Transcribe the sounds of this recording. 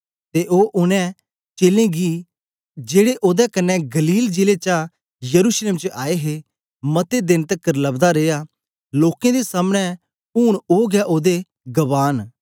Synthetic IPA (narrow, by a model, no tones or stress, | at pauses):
t̪eʔoːʔʊnɛ̃ | t͡ʃeːlẽɡi | d͡ʒeːɽeʔoːd̪ɛkɐnːɛɡɐliːld͡ʒɪlet͡ʃa | jɐɾuːsleːmt͡ʃəʔaːeɦe | mɐt̪ed̪ɪnt̪əkːəɾlɐbd̪aɾeːa | loːkẽd̪esaːmɽ̃ɛ̃ | uːɽ̃oːɡɛʔoːd̪e | ɡɐʋaːn